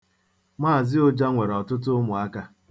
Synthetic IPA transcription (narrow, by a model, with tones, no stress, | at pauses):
maː˦˨zɪ˦o˨d͡ʒa˦ŋʷe˨ɾɔ˨tʊ˦t̬ʊ˦mʊ˨a˦ka˦